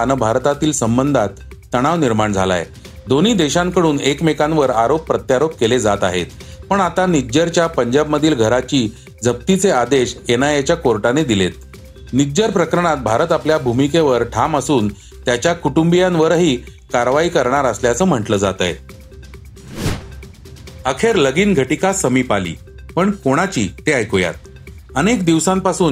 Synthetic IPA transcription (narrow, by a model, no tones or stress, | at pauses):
anəbʱaɾt̪at̪iːlsəmbənd̪ʱat̪ː | əɽ̃aʋniɾmaɳd͡zʱa̰la̰j | d̪oniːd̪eɕãŋkəɽuːnekmekãnʋəɾaɾopːɾət̪jaɾop̚keled͡zat̪aɦḛt̪ | pəɳat̪anid͡ʑəɾt͡ɕjapəɲd͡ʑab̚məd̪ʱiːlɡʱəɾat͡ɕiː | d͡zʱəp̚t̪it͡sead̪eɕenajat͡ɕjakoɾʈaned̪ilet̪̚ | nid͡ʑəɾpɾəkɾəɳat̪̚bʱaɾət̪apljabʱumikeʋəɾʈʰaməsuːn | t̪jat͡ɕjakuʈumbijãnʋəɾɦiː | kaɾʋaiːkəɾɳaɾəsljat͡səːm̤əɳʈləːd͡zat̪ə̰j | əkʰeɾləɡiːnɡʱəʈikasəmiːpalḭː | pəɳkoɽ̃at͡ɕḭːt̪eajkoja̰t̪̚ | ənekd̪iʋsãmpasuːn